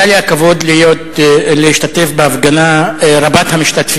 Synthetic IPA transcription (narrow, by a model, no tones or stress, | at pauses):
aliakavo̞d̪lijo̞t̪leiʃt̪at̪e̞fbeafɡanaɾabat̪hamiʃt̪at̪fi